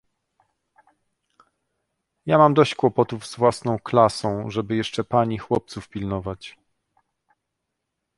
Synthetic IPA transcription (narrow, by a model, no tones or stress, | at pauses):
jamamd̪ɔɕt͡ɕkwɔpɔt̪uvz̥vwasnɔ̃w̃klasɔ̃w̃ʐɛbɘjɛʂt͡ʂɛpaɲixwɔp̚t̪sufpʲilnɔvat͡ɕ